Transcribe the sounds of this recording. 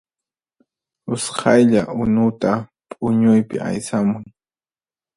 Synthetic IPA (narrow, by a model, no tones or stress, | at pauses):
ʊshʰɑjʎaʔʊnʊt̪apʼʊɲʊjpɪ̰a̰jsamʊŋ